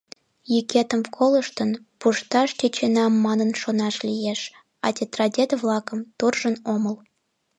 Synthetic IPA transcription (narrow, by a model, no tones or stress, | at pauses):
jykʲet̪əmfkʰoləʃt̪ənpuʃt̪ɑʃt̪ʲet͡ɕenɑmːɑnənʃonɑʃlʲijeʃ | ɑ̰t̪ʲet̪rɑdʲed̪βlɑkə̆mt̪urʒənoməl